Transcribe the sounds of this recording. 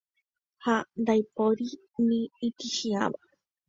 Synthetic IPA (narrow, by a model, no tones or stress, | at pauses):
hand̪ajpoɾi | nĩːt̪iʃia̰ʋa